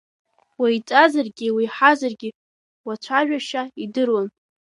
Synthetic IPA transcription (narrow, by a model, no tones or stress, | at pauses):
wajt͡sʼazarɡʲiwiħazarɡʲi | wat͡ɕʷʰaʒᶣaʃaidɨrwan